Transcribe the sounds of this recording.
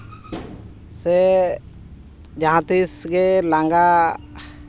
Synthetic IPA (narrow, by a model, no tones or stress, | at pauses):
sɛ | d͡ʒãɦãt̪isɡɛlaŋɡa